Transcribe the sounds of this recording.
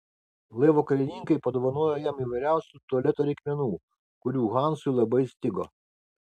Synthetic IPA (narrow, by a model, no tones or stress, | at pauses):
lˠeːʋokɐlʲɛnʲɪŋkɐɪpɐd̪ɔʋɐnoːjɔjɛmiːʋɐɪɾʲæˑʊsʲut̪uɔlʲɛt̪oɾʲɛɪkʲmʲɛnuː | kʊɾʲuːɣɑˑnsʊlˠɐbɐɪsʲt̪ʲɪɡo